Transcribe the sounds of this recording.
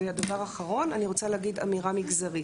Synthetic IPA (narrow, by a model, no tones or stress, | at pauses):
ead̪avaʁaːχaʁo̞naniʁo̞t͡saleːɡid̪a̰miʁamiɡzaʁi